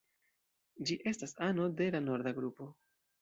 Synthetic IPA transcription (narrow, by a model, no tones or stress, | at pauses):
d͡ʒiʔe̞stasano̞de̞lano̞ɾdaɡɾupo̞